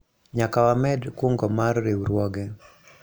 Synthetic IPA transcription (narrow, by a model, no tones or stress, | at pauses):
ɲakawamɛdkuŋɡɔmarːewuɾwɔɡɛ